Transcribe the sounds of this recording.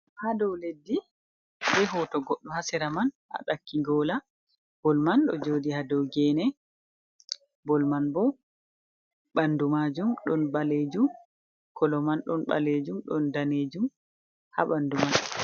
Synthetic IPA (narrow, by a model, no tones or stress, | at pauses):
hadɔwledːi | bɛɦɔtɔɡɔɗːɔhasɛɾamanʔa̰ɗakːiɡɔla | b̥ɔlmanɗɔ̰d͡ʒodihadɔwɡɛnɛ | bɔlmanbɔ | ɓandumad͡ʒumɗɔnbaled͡ʒum | kʰɔlɔmanɗɔnɓa̰led͡ʒumɗɔndaned͡ʒum | ha̰ɓanduman